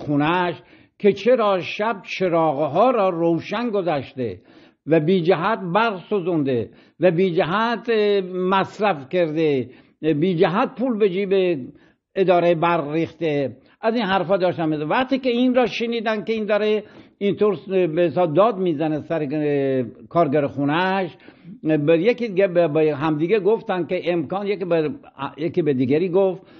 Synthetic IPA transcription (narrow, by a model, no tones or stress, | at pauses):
xunæʃ | kʲʰet͡ʃʰeɾɒːʃæb̚t͡ʃʰe̞ɾɒːɣeɦɒːɾɒːrowʃænɡozæʃt̪ḛ | væbiːd͡ʒæɦæt̪̚bæɾsozund̪e | væbiːd͡ʒæɦæd̪mæsɾæfkeɾd̪e | biːd͡ʒæɦæt̪̚pʰuːlbed͡ʒiːbe | ed̪ɒːɾebæɾriːxt̪e | ʔæziːnɦæɾfɒːd̪ɒːʃt̪æmesvæqt̪iːkeinɾɒːʃeniːd̪ænkeind̪ɒːɾeint̪ʰoɾbesɒːb̚d̪ɒːd̪miːzænesæɾe | kʰɒːɾɡæɾixunæʃ | bjekid̪iɡebbɦæmd̪iːɡeɡoft̪ænkeʔemkɒːnjek | jekibed̪iɡæɾiːɡoft̪